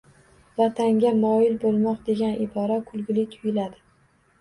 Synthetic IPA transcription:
vat̪ʰaŋɡʲamɒjɪlbolˠmɒq̚d̪e̞ɡʲanʔɪbɒɾakʰʊlˠɡʲɪlɪt̪ʰʊjɪlad̪ɪ

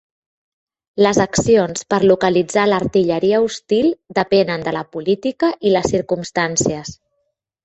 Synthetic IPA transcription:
ləzəksionspəɾlukəlid͡zaləɾt̪iʎəɾiəust̪ilˠd̪əpɛnənd̪ələpulit̪ikəʔiləsːiɾkumst̪ansiəs

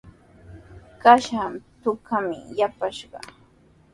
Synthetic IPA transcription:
kaʃamt̪ʊkamɪ̰japaʃɢɑ̰

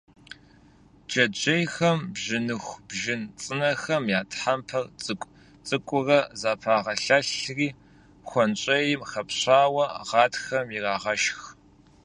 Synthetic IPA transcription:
d͡ʒɐd͡ʒejxɐmbʒɪnɨxʷb̥ʒɪnt͡sʼɨnɐxɐmjaːtʰħampʰɐrt͡sʼɨkʷʼ | t͡sʼɨkʷʼʊrɐzaːpʰaːʁɐɬɐɬriː | xʷɔnt͡ʃʼɐjɪmxɐpɕaːwɐʁɑːtxɐmjirɑːʁɐʃx

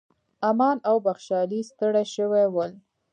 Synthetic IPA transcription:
amɑnawbaxʃɑlist̪əɽaʃəwewəl

